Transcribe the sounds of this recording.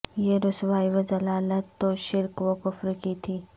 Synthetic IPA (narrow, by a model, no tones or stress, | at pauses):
jeɾʊsʋaːiʋɐzɐlaːlət̪ːoʃɪɾkʋokʊfɾkit̪ʰiː